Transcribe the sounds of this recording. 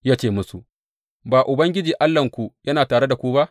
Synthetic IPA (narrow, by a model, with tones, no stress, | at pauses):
ja˦t͡ʃeː˨mʊ˦su˨ | baː˨ʔʊ˨bɐ˦ŋɡʲɪ˦d͡ʒiː˨ʔa˦lːɐ˨ŋkʷu˨jɐ˦naː˨taː˨ɽe˦da˨kʷuː˦ba˦ʔ